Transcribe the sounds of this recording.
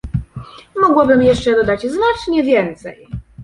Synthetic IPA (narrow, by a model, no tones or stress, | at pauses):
mɔɡwabɘmjɛʂt͡ʂɛd̪ɔd̪ad͡ʑznat͡ʂɲɛvʲjɛnt̪sɛ̰j